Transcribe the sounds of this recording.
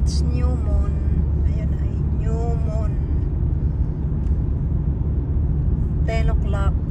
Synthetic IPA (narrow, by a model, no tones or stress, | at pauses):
sɲumɔnajanajɲumon | t̪ɛloklap̚